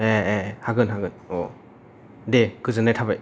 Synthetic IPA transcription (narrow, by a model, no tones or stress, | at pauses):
eehaɡɯnɦaɡɯnɔ | dekɯzɯnajtʰabaj